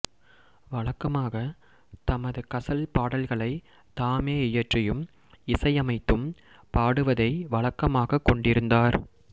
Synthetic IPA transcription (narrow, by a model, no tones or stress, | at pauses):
ʋɐɭɐkːɐmaːɣɐ | t̪ɐmɐðɯkɐsɐlpaːɽɐlɣɐɭɐɪ | t̪aːmeːɪjɐʈrɪjɯm | ɪsɐɪjɐmɐɪt̪ːɯm | paːɽɯʋɐðɐɪʋɐɭɐkːɐmaːɣɐkːɔɳɖɪɾɯnd̪aːɾ